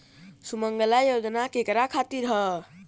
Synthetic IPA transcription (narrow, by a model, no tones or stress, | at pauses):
suməŋɡəlajod͡ʒnakekɾakʰat̪iɾɦə